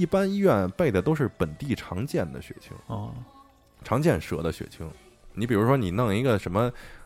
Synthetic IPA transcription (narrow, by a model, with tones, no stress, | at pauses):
i˥˩pa˥ni˥ɥɛ˥˩npe˥˩ɪd̪ə˩t̪̬o˥ʊʂ̬ɻ̩˥˩pə˨˩nt̪i˥˩ʈ͡ʂʰɑ˧˥ŋt͡ɕjɛ˥˩nd̪ə̰˩ɕɥɛ̰˨˩t͡ɕʰḭ˧˥ŋ˥˩ | ʈ͡ʂʰɑ˧˥ŋt͡ɕjɛ˥˩nʂɤ̰˧˥d̪ə˧ɕɥɛ̰˨˩t͡ɕʰi˧˥ŋ | ni˧˥p̬i˨˩ɻu˧˥ʂwɔ˥ni˨˩nɑ˥˩ŋi˧˥ɡə˧ʂə˧˥nmə˧